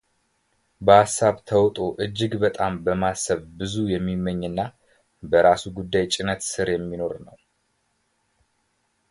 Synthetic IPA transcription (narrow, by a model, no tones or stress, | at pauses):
bəasːaβt̪ʰəwt̪ʼo̞ʔɨd͡ʒːɨɡbət̪ʼambəmasːəβbɨzujɛmːimːəɲːɨnːa | bəɾasuɡud̪ːajt͡ʃʼɪnət̪sɨɾjɛmːino̞ɾnəw